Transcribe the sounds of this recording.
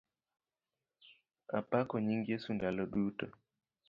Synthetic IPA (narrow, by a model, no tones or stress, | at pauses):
apakɔɲiŋɡiesundalɔɗutɔ